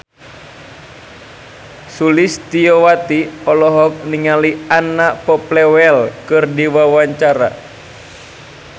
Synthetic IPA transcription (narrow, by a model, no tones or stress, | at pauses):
sulist̪iɔwat̪iɔlɔɦɔk̚niŋalianːapɔplɛwɛlkɨrdiwawaɲt͡ʃaɾa̰